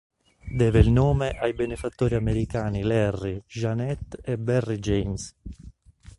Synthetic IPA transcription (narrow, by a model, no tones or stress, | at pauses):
d̪ɛːveilnoːmeʔajbenefat̪ːoːɾiameɾikaːnilɛrːiʒanɛt̪ːɛbɛrːid͡ʒens